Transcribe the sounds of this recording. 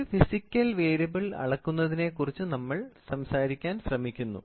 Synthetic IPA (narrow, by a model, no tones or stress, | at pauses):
fisikʲːɐlʋeːɾɐbɐɭɐ̰ɽɐkːunːɐðine̞kurit͡ɕːunɐmːɐɭsɐmsaːɾikʲːaːnsrɐmikʲːunːṵ